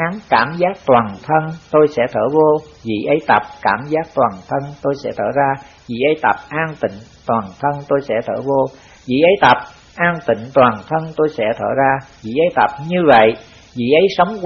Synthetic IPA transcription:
aː˨˦nkaː˧˩mzaː˦˥k̚t̪waː˨˩nt̪ʰə˧nt̪o˧jsɛ̰˧˥t̪ʰəː˧˩vo˧ | vḭ˧˨ʔə˨˦jt̪ə˨˩p̚kaː˧˩mzaː˦˥k̚t̪waː˨˩nt̪ʰə˧nt̪o˧jsɛ̰˧˥t̪ʰə̰ː˧˩zaː˧ | vḭ˧˨˩ʔə˨˦jt̪ə˨˩p̚ʔaː˧nt̪ï˧˨ŋ̟t̪waː˨˩nt̪ʰə˧nt̪o˧jsɛ̰˧˥˩t̪ʰə̰ː˧˩vo˧ | vḭ˧˨ʔə˨˦jt̪ə˨˩p̚ | ʔaː˧nt̪i˧˨ŋ̟t̪waː˨˩nt̪ʰə˧nt̪o˧jsɛ̰˧˥t̪ʰə̰ː˧˩zaː˧vḭ˧˨ʔə˨˦jt̪ə˨˩p̚ɲɨ˧və̰˧˨j | vḭ˧˨ʔə˨˦jsə˨˦wŋ͡mk

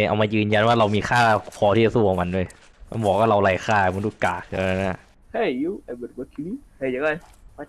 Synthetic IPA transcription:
ʔa̰˧wmaː˧jɯː˧nja˧nwaː˥˩ɾa˧wmiː˧xʰaː˥˩pʰɔː˧˦iː˥˩t͡ɕa˧˩suː˥˩ʔɔ˨˧˩ma˧ndu˥˩əj | ma̰˧nbɔː˨˩k̚waː˥˩ɾa˧wlaː˧˩jxʰaː˥˩˨ma˧˦duː˧˥˩kaː˨˩k̚tʰːa˧na˧na˧˩ | ha˧˩ji˧˦wa˧˩bɯ˨˩t̚bə˧kʰi˧li˦ha˧˩˨a˧˩kɔ˧˩j

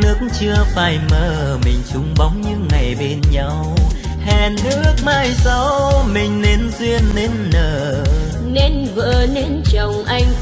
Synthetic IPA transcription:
nɨ˦˥ək̚ŋt͡ɕɨ˧əfaː˧˩jməː˧˨˩ | mï˨˩ŋ̟t͡ɕʊ˨˦ŋ͡mɓa˨˦wŋ͡mɲɨ˧˥ŋa˨˩jɓe˧nɲa˧w | hɛ˨˩nːɨ˦˥ək̚maː˧jsa˧˦wmï˨˩ŋ̟ne˨˧nzwi˧ənːe˧˥nːəː˨˩ | ne˧nvəː˧˨˩ne˧nt͡ɕə˨˩wŋ͡mʔa˧jŋ̟

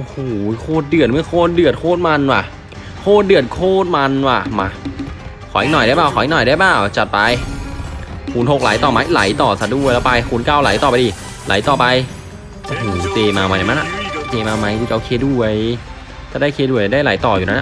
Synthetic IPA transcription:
ʔo˧˩hoː˨˩˦kʰoː˥˩t̪̚dɯ˨˩ət̪̚m˦˥˩ɐkʰoː˥˩t̪̚dɯ˨ət̪̚kʰoː˥˩t̪̚ma˧nwaː˧˩ | kʰoː˥˩t̪̚dɯ˨˩ət̪̚kʰoː˥˩t̪̚ma˧nwaː˧˩maː˧ | kʰɔː˩˦ʔnɔ˨˩jda˥˩jbaː˧˩wʰɔː˨˦ʔe˧nɔ˨˩jdaː˧˥˩jbaː˧˩wt͡ɕa˨˩t̪̚pa˧j | kʰuː˧nɦo˨˩k̚la̰˨˦jt̪ɔː˨˩ma˧˥jla̰˨˩˦jt̪ɔː˨˩sa˨˧˩du˥˩˨jlɛː˦˥wpa˧jkʰuː˧nkaː˥˩wla̰˨˩˦jt̪ɔː˨˩pa˧jdiː˧˩ | lʔa̰˨˦jt̪ɔː˨˩pa˧j | ʔo˧hoː˨˩t͡ɕeː˧maː˧maː˧na˨˩na˧˥ʔa̰˨˩t͡ɕeː˧maː˧wma˧jkuː˧˩t͡ɕa˧˨ʔo˧kʰeː˧du˧˥˩əj | t͡ɕaː˨˧˩daː˥˩jkʰeː˧du˧˩əjdaː˥˩jla̰˨˩˦jt̪ɔː˨˩juː˨na˦˥na̰˧˩

